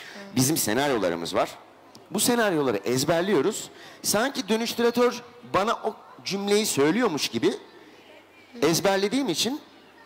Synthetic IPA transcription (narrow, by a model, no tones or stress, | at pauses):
bizimse̞̰naɾjo̞lˠa̰ɾɯ̰mɯ̰zvaɾ̥ | buse̞naɾjo̞lˠa̰ɾɯ̰ʔɛzbæɾlʲijo̞ɾuz̥saɲcid̪ø̞nyʃt̪ʰyɾat̪ʰøɾbanaʔod͡ʒymlʲe̞jisø̞jlʲijo̞ɾmuʃɟibɪ | ɛzbæɾlʲe̞d̪iːmit͡ʃʰin